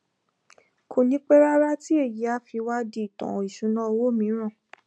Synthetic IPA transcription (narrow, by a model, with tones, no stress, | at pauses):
kʰo˧nĩ˧˦k͡pɛ˦ɾa˦ɾa˦ti˦e˦˨ji˨˦a˦fi˧wa˦di˧˦i˦˨tɔ̰̃˨i˨ʃũ˨˦nã˦o˧wo˦mĩ˨˦ɾ̃ã˦˨